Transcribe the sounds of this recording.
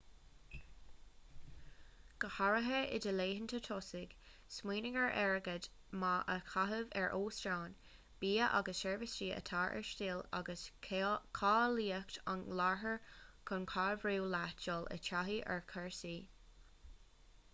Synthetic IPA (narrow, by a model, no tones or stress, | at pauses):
ɡ̥əhaɹəɦəɪ̰d̪əleːɦənt̪ʰət̪ʰɔsɪɡ̥ | smiːnɪɡəɹʔɛɹəɡəd̪ | maʔəkʰaɦəvɛɹʔoːstɹaːn | b̥iːəʔa̰ɡəsʃɛɹvəsɾiːʔə̰t̪ʰaːɹʔɛ̰ɹʃtiːla̰ɡəsʰkʰaːliːəkt̪ʰa̰nlaɹɦəɹkʰənkʰaɹvɹiːlat͡ʃɔlə̰tʰaɦiːʔɛ̰ɹkʰɛɹsiː